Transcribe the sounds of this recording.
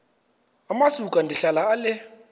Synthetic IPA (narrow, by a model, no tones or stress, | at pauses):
amasukʼandʱiɬalaːlɪ